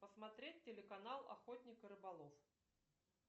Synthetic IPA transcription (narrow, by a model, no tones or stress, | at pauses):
pəsmat̪ɾʲetʲtʲːelʲɪkanalˠa̰xɔt̪ʲnʲikɨɾɨbalˠɔf